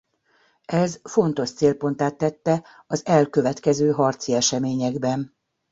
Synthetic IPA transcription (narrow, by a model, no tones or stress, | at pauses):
ɛzfo̞nt̪o̞ʃt̪seːlpo̞n̪t̪aːt̪ːɛt̪ːɛ | ɒzɛlkø̞vɛt̪kɛzøːɦɒrt̪siɛʃɛmeːɲɛɡbɛn